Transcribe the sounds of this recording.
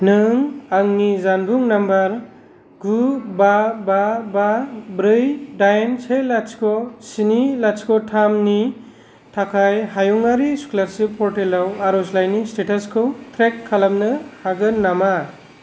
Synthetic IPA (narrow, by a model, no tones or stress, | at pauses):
nɯŋaŋnizanbuŋnambɐɾ | ɡubabababɾɯjdajensʰelaskʰɔsinilat͡ʃkʰɔtʰamni | tʰakʰajɦajuŋaɾisu̥kʰulaɾsɯpʰɔɾtelawaɾɔslajnistetaskʰɯwtʰɾekʰːalamnɯhaɡɯnːama